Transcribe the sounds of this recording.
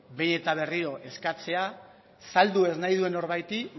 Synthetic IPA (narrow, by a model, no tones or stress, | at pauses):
be̞jne̞t̪aβ̞e̞riɾo̞ʔe̞skat͡se̞a | sald̪ue̞znajðue̞no̞ɾβajt̪i